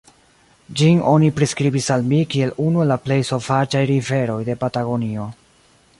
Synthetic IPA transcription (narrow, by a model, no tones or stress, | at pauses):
d͡ʒino̞nipɾeskɾibisalmikie̞lunuelaple̞jso̞vat͡ʃajɾive̞ɾo̞jde̞pataɡo̞nio̞